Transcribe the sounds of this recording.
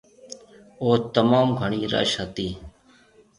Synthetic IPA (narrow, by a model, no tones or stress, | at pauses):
oːt̪əmaːmɡʱəɳiːɾə̰ʃɦət̪iː